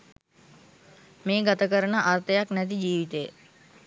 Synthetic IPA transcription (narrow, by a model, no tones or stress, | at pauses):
meːɡat̪əkəɾənəʔart̪əjaknæt̪id͡ʒiːʋit̪ej